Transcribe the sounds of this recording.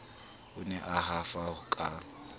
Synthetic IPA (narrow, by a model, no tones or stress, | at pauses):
ʊnɛʔaɦafaʊkʼa